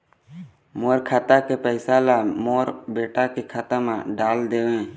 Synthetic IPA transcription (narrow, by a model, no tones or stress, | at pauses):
moːɾkʰat̪akepɛɪsalamoːɾbeːʈakikʰət̪əmãɖaːld̪eːʋẽ